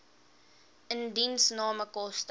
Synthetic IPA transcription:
əndinsnɑːməkɔst

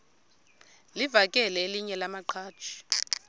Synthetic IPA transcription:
livakʼɛlɛeliɲɛlamaǃʰḁːt͡ʃʰi̥

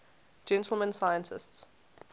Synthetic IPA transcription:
d͡ʒɛ̃ntʰl̩ˠmə̃nsajə̃ntʰɪ̰sts

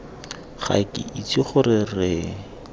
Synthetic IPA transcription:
χa̰kʼɪ̰ʔit͡siχʊrɪrɪ

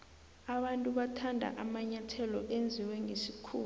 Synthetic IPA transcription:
aɓantʼuɓatʰandʱa̰ʔamaɲatʰɛlɔʔend͡zʱiwɛŋʱesikʰuː

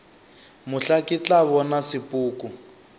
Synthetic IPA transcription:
mʊɬakit͡ɬʼaβɔnasipʼuːku

